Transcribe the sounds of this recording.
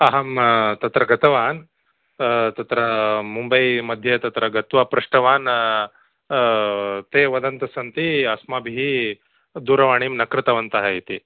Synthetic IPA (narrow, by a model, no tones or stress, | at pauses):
ɐɦɐmt̪ɐt̪ɾɐɡɐt̪ɐʋaːn | t̪ɐt̪ɾɐmumbɐjmɐd̪ʱjɐt̪ɐt̪ɾɐɡɐt̪ʋɐpɾɐʂʈɐʋaːn | t̪eʋɐd̪ɐnt̪ɐsɐnt̪iɐsmabʱiɦi | d̪uɾɐʋaːɽ̃iːmnɐkɾɪt̪ɐʋɐnt̪ɐɦɐit̪i